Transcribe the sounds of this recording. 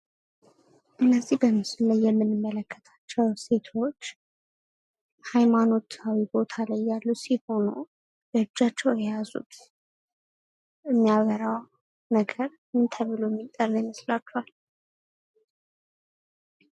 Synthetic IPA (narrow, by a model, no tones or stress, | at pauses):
ʔɨnːəzːihbəmɨsɨlajːɛmːɨnːɨmːələkːə̥t̪ʰḁt͡ʃːɛwse̞t̪ʰo̞t͡ʃː | hajmano̞t̪ʰawibo̞t̪ʰalajːalːusiho̞nu | bəɨd͡ʒːat͡ʃːɛwjɛjazṵt̪ | ɨmːijaβəɾaw | nəɡəɾ | ɨnt̪ʰəβɨloɛmːit̪ʼːərːjməslat͡ʃːɛhal